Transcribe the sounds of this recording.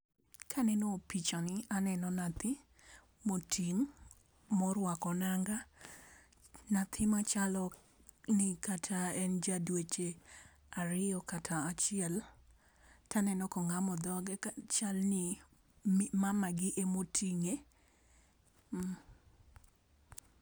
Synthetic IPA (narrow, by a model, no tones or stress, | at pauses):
kʰanɛnɔpit͡ʃanɪanɛnɔnat̪ɪ | motʰiŋ | mɔɾwakɔnaŋɡa | nat̪ʰɪmat͡ʃalɔ | nɪkatʰaɛnd͡ʒadwet͡ʃe | aɾɪɔkatʰaːt͡ʃɪɛl | tʰanɛnɔkɔŋamɔd̪ɔɡɛt͡ʃalnɪ | mamaɡɪʔemotʰiŋe